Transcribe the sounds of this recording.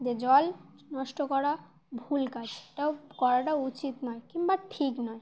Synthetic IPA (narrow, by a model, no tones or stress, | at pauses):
d͡ʑed͡ʑɔl | nɔʃʈokɔɾa | bʱulkad͡ʑʰeʈaokɔɾaʈaut͡ɕit̪nɔekimbaʈʰiknɔe